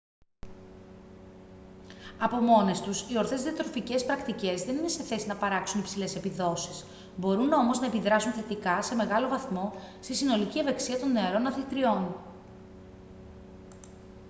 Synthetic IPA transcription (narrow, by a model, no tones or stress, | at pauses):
ɐpo̞mo̞ne̞st̪usio̞ɾθe̞zðiɐt̪ɾo̞fice̞spɾɐkt̪ice̞zðe̞ninese̞θe̞sinɐpɐɾɐksunipsile̞se̞piðo̞si̥s | bo̞ɾuno̞mo̞znɐepiðɾɐsunθe̞t̪ikɐse̞me̞ɣɐlo̞vɐθmo̞ | st̪isino̞licieveksiɐt̪o̞nnːe̞ɐɾo̞nɐθlit̪ɾio̞n